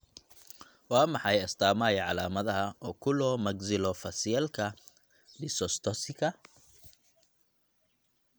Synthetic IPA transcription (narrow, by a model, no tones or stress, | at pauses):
wɑːmɑħɑjɐst̪ʰaːmajʕɑlaːmɐðɐɦɐɔːkʰʊlɔːmɐɡzɪlɔfɐsɪjɛlkʰɐ | ɖɪsɔst̪ʰɔsɪkʰɐ